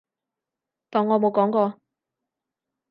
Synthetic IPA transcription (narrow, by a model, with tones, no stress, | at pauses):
t̪ɔː˨˩ŋːɔː˨˧mo˨˧wkɔː˨˥ŋkɔː˧